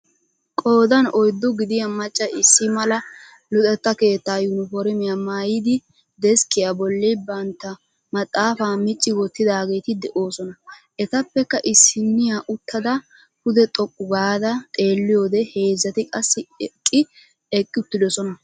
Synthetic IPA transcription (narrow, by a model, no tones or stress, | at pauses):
kʼo̞ːd̪ɐnɔjd̪ːɔɡɪd̪ɪjɐmɐt͡ʃʼːɐɪsːɪmɐlɐ | lʊt̪ʼɛt̪ːɐke̞ːt̪ːaːjʊnʊfɔɾɪmɪjamaːjɪd̪ɪ | d̪ɛskɪjabɔlːɛbɐnt̪ːɐ | mɐt̪ʼːaːfaːmɪt͡ʃʼːɪwɔt̪ːɪd̪aːɡe̞ːt̪ɪd̪ɛʔo̞ːsɔnɐʔɛt̪ɐpːɛkːɐʔɪsːɪnːɪjaʔʊt̪ːɐd̪ɐ | hʊd̪ɛt̪ʼɔkʼːʊɡaːd̪ɐt̪ʼe̞ːlːɪjo̞ːd̪ɛhe̞ːzːɐt̪ɪkʼɐsːɪɛkʼːɪ | ɛkʼːɪʊt̪ːɪd̪ɔsɔnɐ